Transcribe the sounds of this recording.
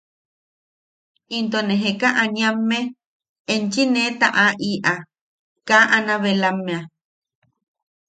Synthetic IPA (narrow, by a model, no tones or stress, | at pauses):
int̪̬onẽɦekaʔaɲĩamːe | ent͡ʃinẽt̪aʔaʔiʔa | kaʔanãβelamːẽa